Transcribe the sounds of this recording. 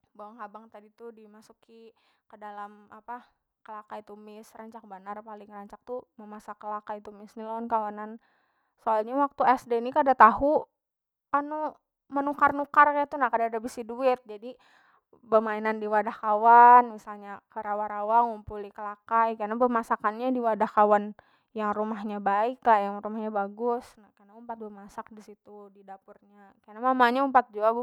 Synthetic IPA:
baaŋhabaŋt̪adit̪udimasukikədalamapa | kəlakait̪umɪsraɲt͡ʃak̚banarpalɪŋraɲt͡ʃak̚t̪uməmasakəlakait̪umɪsnilonkawanan | soalɲawak̚t̪uɛsdenikadat̪aɦu | anu | mənukarnukarkajat̪unahkadadabisiduɪt̪̚d͡ʒadi | bəmainandiwadahkawanmisalɲakəɾawaɾawaŋumpulikəlakajkanabəmasakanɲadiwadahkawan | jaŋrumahɲabaɪklahjaŋrumahɲabaɡʊsnakanaumpat̪̚bəmasak̚disit̪udidapʊrɲakanamamaɲaumpat̪̚d͡ʒua

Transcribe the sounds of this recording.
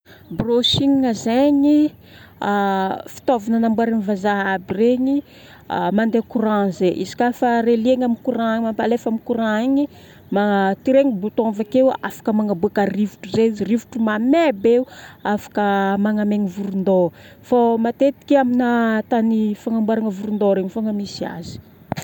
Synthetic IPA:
brosiŋŋazeɲi | afi̥t̪ovanənambwaɾinivazaɦabireɲi | amand̪ekuɾãzeʔizi̥kʲafaɾelieɲamikuɾãɲmampalefamikuɾãeɲi | mat̪iɾeŋibut̪avakewafḁkəmaŋabuakərivuʈ͡ʂuzezirivu̥ʈ͡ʂumamebeuafḁkəmaŋameŋivuɾund̪o | fomat̪et̪i̥kʲiaminat̪anifaŋambwaɾaŋəvuɾund̪oɾeɲifaŋəmisia̰zi̥

